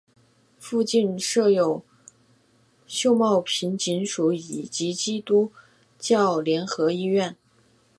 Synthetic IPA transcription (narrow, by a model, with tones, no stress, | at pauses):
fu˥˧t͡ɕi˥˧nʂɤ˥˩jo˨˩ʊ | ɕjo˥˧ʊmɑ˥˩ʊpʰi˧˥nt͡ɕi˧˥nʂu˧˥i˨˩t͡ɕi˧˥t͡ɕi˥t̪u˥ | t͡ɕjɑ˥˩ʊljɛ˧˥nxɤ˧˥i˥˧ɥɛ˥˩n